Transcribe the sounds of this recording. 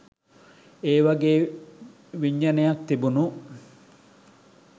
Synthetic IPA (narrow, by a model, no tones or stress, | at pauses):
eːʋɐɡeː | ʋiɲːɐnejɐk̪t̪ːibunu